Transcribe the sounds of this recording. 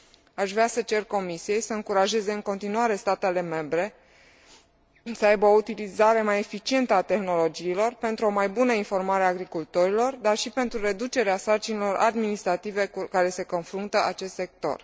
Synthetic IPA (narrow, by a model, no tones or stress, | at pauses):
aʃvɾeasət͡ʃe̞rko̞misije̞jsəɨŋkuɾaʒe̞ze̞ɨŋko̞nt̪inuaɾe̞st̪at̪e̞le̞me̞mbɾe̞ | səajbəo̞ut̪ilizaɾe̞maje̞fit͡ʃie̞nt̪əat̪e̞xno̞lo̞d͡ʒiːlo̞rpe̞nt̪ɾuo̞majbunəinfo̞rmaɾeaːɡɾikult̪o̞ɾilo̞rd̪arʃipe̞nt̪ɾuɾe̞d̪ut͡ʃe̞ɾeasart͡ʃinilo̞ɾa̰d̪minist̪ɾat̪ive̞kaɾe̞se̞ko̞nfɾunt̪əʔat͡ʃe̞st̪se̞k̚t̪o̞̰r